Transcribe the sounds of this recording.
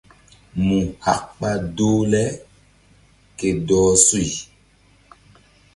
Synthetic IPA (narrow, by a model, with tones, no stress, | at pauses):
mũ˨ha̰˨kk͡pa˦doː˦lɛ˦ | ke˨dɔː˨˦su˦i˨